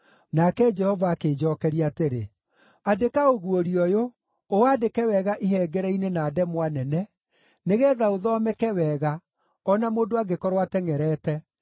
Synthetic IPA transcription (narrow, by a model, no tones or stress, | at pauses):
nakɛd͡ʒɛhɔvaːkeːd͡ʒɔkɛɾiateɾḛ | adekaoɣuoɾiɔjo | oadekɛwɛɣaʔiɦɛːɡɛɾɛinenaːdɛmwanɛnɛ | neɣɛːðaoðɔmɛkɛwɛːɣa | ɔnamoːndoaɡekɔɾwatɛŋɛɾɛːtɛ